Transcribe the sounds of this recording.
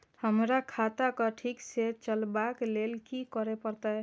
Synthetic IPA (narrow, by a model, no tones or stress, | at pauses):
həmɾakʰat̪akɔʈʰikset͡ʃəlbaklelkikɔɾepəɾt̪a